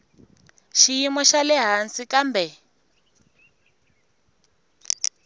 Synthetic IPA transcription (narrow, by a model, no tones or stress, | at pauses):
ʃijimɔʃalɛɦansikambɛ